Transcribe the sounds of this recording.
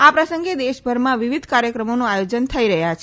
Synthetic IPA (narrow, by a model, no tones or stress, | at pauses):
apɾəsə̃ŋɡed̪eʃbʱəɾmãʋiʋid̪ʱkaɾjəkɾəmonoajod͡ʒənt̪ʰəiɾəɦjat͡ʃʰe